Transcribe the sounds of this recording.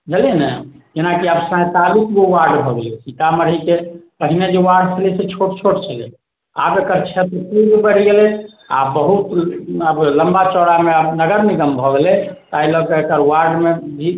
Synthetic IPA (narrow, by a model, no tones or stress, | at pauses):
d͡ʒʱelenɛd͡ʒenakiəbsãt̪alukbowaɾɖbʱɔɡelesikaməɽ̤ikepəɦined͡ʒewaɖt͡ʃʰəlɛset͡ʃʰoʈt͡ʃʰoʈt͡ʃʰəlɛ̰ | a̰bekəɾt͡ʃʰet̪ɾpuɡbəɽ̤iɡelɛ | a̰bəɦut̪əbləmbat͡ʃɔɽameəbnəɡəɾniɡəmbʱɔɡelɛt̪ailɔkeekəɾwaɾɖmeb̪ʱi